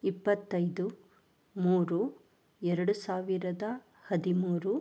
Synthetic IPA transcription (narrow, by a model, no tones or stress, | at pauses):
ipːɐt̪ːɐjd̪u | muːɾu | ɛɾɐɽusaːʋiɾɐd̪ɐ | hɐd̪imuːɾu